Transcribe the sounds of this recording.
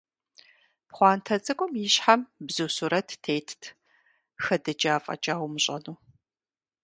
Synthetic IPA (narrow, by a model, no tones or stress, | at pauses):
pχʷɑːntʰɐt͡sʼɐkʷʼɔmjɪɕħambzuːsuɾɐtːʰeːjtʰtʰ | xɐdɨd͡ʒaːfʼɐ̰t͡ʃʼaːwmɨɕʼɐ̰nuː